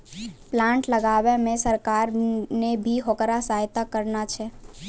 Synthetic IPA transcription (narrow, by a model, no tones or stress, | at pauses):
plãːɳʈləɡaːʋemẽsəɾkaːɾnebʱiɦokɾasaɦɪt̪akəɾnat͡ʃʰɛ